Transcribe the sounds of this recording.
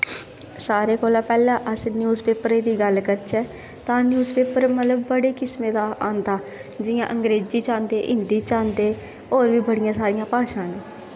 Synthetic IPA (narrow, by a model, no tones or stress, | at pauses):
saːɾeːkoːlãːpɛːlãːʔəsnjuːzpeːpəɾeːd̪iːɡəlkət͡ʃɛː | t̪ãːnjuːzpeːpəɾmət̪ləbːəɽeːkɪsmẽːd̪aːãːnd̪aːd͡ʒɪjã̰ːʔəŋɡɾeːziːt͡ʃãːnd̪eːʔɪnd̪iːt͡ʃãːnd̪eː | oːɾʋiːbəɽɪjãːsaːɾɪjãːpaːʃãːneː